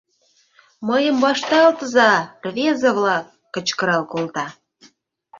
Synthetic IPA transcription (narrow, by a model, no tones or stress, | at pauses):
məjəmbɑʃt̪ɑlt̪əzɑrβezə̆βlɑkːə̆t͡ɕkə̆ɾɑlkolt̪ɑ